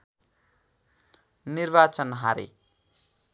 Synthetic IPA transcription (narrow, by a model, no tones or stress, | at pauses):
nirbat͡sʌnɦaɾḛ